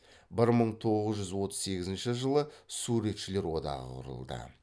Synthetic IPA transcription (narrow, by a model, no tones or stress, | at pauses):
bɪɾməɴt̪ʰo̞ʁəzʒʏzwo̞t̪ə̥zse̞ɡʲɪzɪnʃɪʒəlˠəsuɾe̞t̪ʃɪle̞ɾwo̞d̪ɑ̰ʁə̰qʰʊ̰ɾə̰lˠd̪ə̰